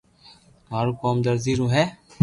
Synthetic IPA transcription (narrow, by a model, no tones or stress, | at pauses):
maːɾuːkɔːmd̪əɾziːɾũːɦɛː